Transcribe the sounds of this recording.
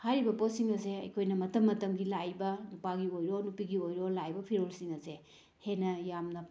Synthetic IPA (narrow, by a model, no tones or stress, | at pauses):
hajɾibɐposiŋɐseɐ̰jkʰojnɐmɐtɐmːɐtɐmɡilajbɐnupaɡiojɾonupiɡiojɾolajbɐpʰiɾolsiŋɐse | henɐjamnɐ